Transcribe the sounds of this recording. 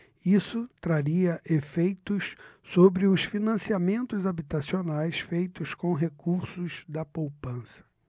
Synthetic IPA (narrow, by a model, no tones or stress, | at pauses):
isʊt̪ɾaɾiɐʔefejt̪ʊssobɾɪʊsfinɐ̃siamẽnt̪ʊzabit̪asionajsfejt̪ʊskõɦekuɾsʊzd̪ɐpowpɐ̃sɐ̥